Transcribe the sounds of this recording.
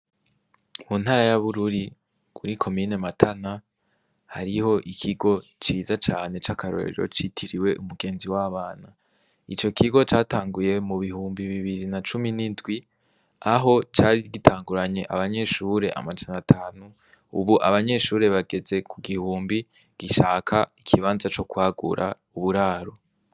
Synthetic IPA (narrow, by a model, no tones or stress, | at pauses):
mun̥haɾajaβuɾuɾi | kuɾikʰo̞miːne̞matʰana | haɾiho̞ʔikʰiɡo̞t͡ʃiːzat͡ʃaːne̞t͡ʃakʰaɾo̰ɾḛɾo̞̰t͡ʃitʰiɾiwe̞ʔumuɡe̞ːnziwaːβaːna | it͡ʃo̞kʰiɡo̞t͡ʃaːtaːŋɡuje̞muβihuːmbiβiβiɾinat͡ʃuminindɡwi | aɦo̞t͡ʃaːɾiɡitʰaːŋɡuɾaɲe̞ʔa̰βaɲe̞ʃuːɾe̞ʔa̰mad͡ʒanatʰaːnu | ṵβuʔaβaɲe̞ʃuːɾe̞βaɡe̞ze̞kʰuɡihuːmbi | ɡ̥iʃaːkʰaikʰiβaːnzat͡ʃo̞kwaːɡṵɾʔa̰ | uβuɾaːɾo̞